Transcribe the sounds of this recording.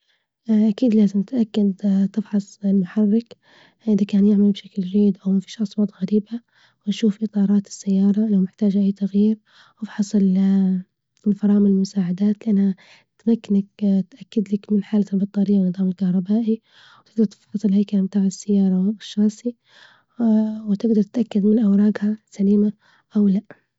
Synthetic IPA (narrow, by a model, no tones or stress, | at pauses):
ʔakiːd̪laːzɪmt̪ʔakːad̪t̪ɪfħɑsˤɪlmʊħɑrːɪk | ʔɪðakaːnjɪʕmalbʃaklɾiːd̪ʔawmafiːʃʔɑsˤwɑːt̪ˤɣaɾiːba | wɪnʃuːfʔɨt̪ˤɑːɾˤɑːt̪ɪ̥sːajːɑːɾˤɑnamɪħt̪aːd͡ʒʔaːt̪aɣjiːɾ | ʔɑfħɑsˤɪl | ɪlfɑɾˤɑːmɪnɪlmʊsaːʕad̪aːt̪lɪʔanːha | t̪amakːanak̚t̪ʔakːad̪lakmɪnħaːlalbɑt̪ˤːɑːɾɪjːawnːɨðˤɑːmɪlkahɾˤɑbaːʔi | wt̪ɪɡ̚d̪ɑɾˤt̪ɪħɑsˤɨlhajkalbt̪aːʕɪsːajːɑːɾˤɑwʃːɑːsˤi | wɪt̪ɪɡd̪ɑɾˤt̪ʔakːad̪mɪnʔawɾˤɑːɡhasaliːma | ʔawlaʔ